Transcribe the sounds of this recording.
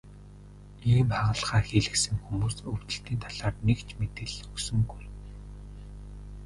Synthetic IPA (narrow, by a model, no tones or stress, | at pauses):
iːmpæːʁə̆ɮχaːxeɮɘ̆ksɘ̆ŋxumuːsɵw̥t̪ɘ̆ɬt̪iːnt̪ʰaɮaːrnekt͡ɕʰmet̪ɘ̆ɮɵksɵ̆ŋɡuj